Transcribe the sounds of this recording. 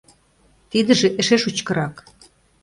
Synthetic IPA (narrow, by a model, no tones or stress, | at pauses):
t̪id̪ə̆ʒĕʔĕʃeʃut͡ɕkɤ̆ɾɑk